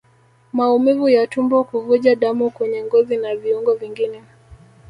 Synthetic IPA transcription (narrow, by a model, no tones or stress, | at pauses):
maumivujatumbɔkuvuʄaɗamukwɛɲɛŋɡɔzinaviuŋɡɔviŋɡinɛ